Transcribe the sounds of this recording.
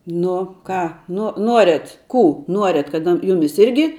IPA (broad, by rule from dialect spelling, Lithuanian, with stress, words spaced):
ˈnʊ ˈkɑː ˈnʊ ˈnuɔrʲɛt ˈkuː ˈnuɔrʲɛt kɐt ˈjʊmʲɪs ˈɪrʲɡʲɪ